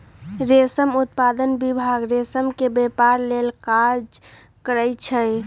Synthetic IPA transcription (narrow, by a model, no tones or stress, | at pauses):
ɾesəmut̪̚pad̪ənbibʱaɡɾesəmkebepaɾlelkad͡ʒ | kəɾəjt͡ʃʰə